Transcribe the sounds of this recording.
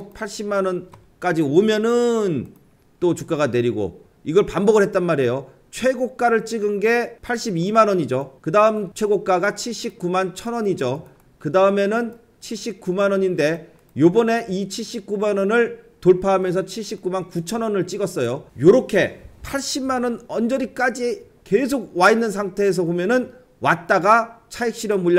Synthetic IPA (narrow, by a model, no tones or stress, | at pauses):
pʰaɭɕ͈immanʌn | k͈ad͡ʑiomjʌnɯn | t͈ot͡ɕuk͈̚aɣane̞ɾiɡo̰ | iɡʌɭpambʌɡɯɭhɦe̞t̚t͈anmaɾejo | t͡ɕʰwe̞ɡok̚k͈aɾɯɭt͡ɕ͈iɡɯnɡe̞pʰaɭɕ͈ibimanʌɲid͡ʑokɯdaɯmt͡ɕʰwe̞ɡok̚k͈aɡat͡ɕʰiɭɕ͈ip̚k͈umant͡ɕʰʌnʌɲid͡ʑo | kɯdaɯme̞nɯn | t͡ɕʰiɭɕ͈ip̚k͈umanʌɲinde̞ | jobʌne̞ʔit͡ɕʰiɭɕ͈ip̚k͈umanʌnɯɭtoɭpʰaɦːmjʌnsʰʌt͡ɕʰiɭɕ͈ip̚k͈umankut͡ɕʰʌnwʌnɯɭt͡ɕ͈iɡʌs͈ʌjojoɾʌkʰe̞pʰaɭɕ͈immːanʌnʌnd͡ʑʌɾik͈ad͡ʑi | ke̞s̬ʰoɡ̚wainːɯns̬ʰaŋtʰe̞ːs̬ʰʌbomjʌnɯn | wat̚t͈aɡat͡ɕʰaik̚ɕ͈iɾjʌmːuʎː